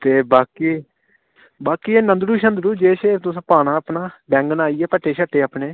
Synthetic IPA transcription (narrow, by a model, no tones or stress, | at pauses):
t̪eːbaːkiː | baːkiːɛːnənd̪ɾuːʃənd̪ɾuːd͡ʒeːʃet̪ʊsãːpaːɽ̃aːəpnaːbɛ̃ːŋɡnaːiːɛːpəʈʰːeːʃəʈːeːaːpɳeː